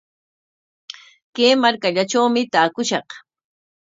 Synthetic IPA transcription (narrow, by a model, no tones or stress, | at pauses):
keːmaɾkaʎaʈ͡ʂawmɪt̪aːkʊʃɑq